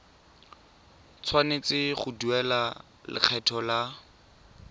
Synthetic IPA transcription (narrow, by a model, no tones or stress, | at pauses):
t͡sʰwanet͡sɪχʊduɛla | lɪ̰k͡xʰɛtʰɔla